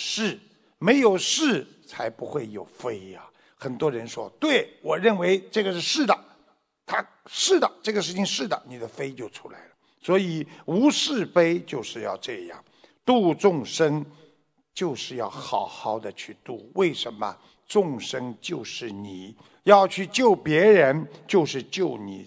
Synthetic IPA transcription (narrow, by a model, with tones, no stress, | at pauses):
ʂɻ̩˥˩ | me˧˥ɪjo˨˩ʊʂɻ̩˥˩ | t͡sʰa˧˥ɪpu˧˥xwe˥˩ɪjo˨˩ʊfe˥ɪɐ˨ | xə˨˩nt̪wɔ˥ɻə˧˥nʂwɔ̰˥t̪we˥˩ɪwɔ˨˩ɻə˥˩nwe˧˥ɪʈ͡ʂɤ˥˩ɡə˩ʂɻ̩˥˧ʂɻ̩˥˩d̪ə˩ | t̪ʰa˥ | ʂɻ̩˥˩d̪ə˩ʈ͡ʂɤ˥˩ɡə˩ʂɻ̩˥˩t͡ɕʰi˧ŋʂɻ̩˥˩d̪ə˩ni˨˩d̪ə˦fe˥ɪt͡ɕjo˥ʊʈ͡ʂʰu˥la˧˥ɪlə˩ | swɔ˧˥i˨˩u˧˥ʂɻ̩˥˩fe˥ɪt͡ɕjo˥˧ʊʂɻ̩˥˧jɑ̰˥˧ʊʈ͡ʂɤ˥˧jɑ̰˥˩ŋ | t̪u˥˧ʈ͡ʂʊ˥˧ŋʂə˥ŋ | t͡ɕjo˥˧ʊʂɻ̩˥˧jɑ˥˩ʊxɑ˨˥ʊxɑ˧˥˩ʊd̪ə˧t͡ɕʰy˥˧t̪u˥˩we˥˩ɪʂə˧˥nmə̰˧ | ʈ͡ʂʊ˥˩ŋʂə˥ŋt͡ɕjo˥˧ʊʂɻ̩˥˩ni˨˩˦ | jɑ˥˧ʊt͡ɕʰy˥˧t͡ɕjo˥˩ʊpjɛ˧˥ɻə˧˥nt͡ɕjo˥˧ʊʂɻ̩˥˧t͡ɕjo˥˩ʊnḭ˨˩